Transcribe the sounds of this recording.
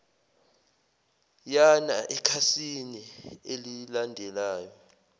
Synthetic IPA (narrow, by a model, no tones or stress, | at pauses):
janaʔɛkʰasinielilandʱɛlaːjɔ